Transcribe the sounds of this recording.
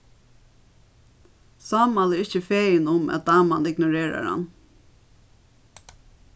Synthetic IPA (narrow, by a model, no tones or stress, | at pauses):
saːmalɪɹɪçt͡ʃəfeːjɪnʊmæ̰t̪̚d̪aːmanɪɡnʊɹeːɹa̰ɹha̰m